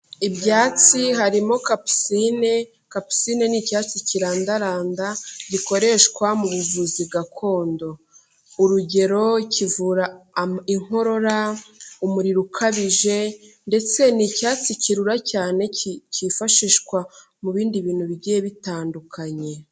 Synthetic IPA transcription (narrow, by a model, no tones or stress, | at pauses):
ibjaːt͡siɦaɾimo̞kapsine | kapu̥sine̞nicaːt͡siciɾaːndaɾaːndaɟiko̞ɾe̞ʃkwamuβuvuziβɡakʰo̞ːndo̞ | uɾuɟe̞ɾo̞icʰivuɾaiŋ̥o̞ɾo̞ɾaumuɾiɾukʰaβiʒe̞ | nde̞t͡se̞nicaːt͡siciɾuɾacaːne̞cifaʃiʃkwa | muβiːndiβiːn̥huβiɟijeβitaːndukʰaɲe̞